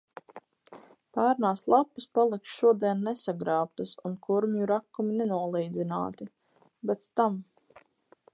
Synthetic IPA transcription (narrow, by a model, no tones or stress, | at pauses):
pæːɾnaːslˠapːispalˠiksʃuɔd̪iɛnːɛsaɡɾaːp̚t̪asunkʰuɾmjuɾakːuminɛnuɔlˠiːjd̪zina̰ːt̪i | bɛt̪st̪am